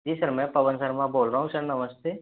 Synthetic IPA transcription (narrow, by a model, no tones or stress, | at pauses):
d͡ʒiːsəɾmɛ̃pɐʋənsɐɾmãboːlɾaɦũsɐɾnɐməst̪ʰeː